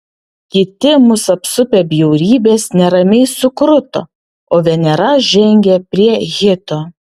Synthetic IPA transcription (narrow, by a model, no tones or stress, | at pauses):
kʲɪt̪ʲɪmʊsɐpsʊpʲebʲjɛʊɾʲiːbʲeːsnʲɛɾɐmʲɛɪsʊkɾʊt̪o̰ | oːʋʲɛnʲɛɾɐʒʲɛŋʲɡʲɛpʲɾʲiɛɣʲɪt̪oː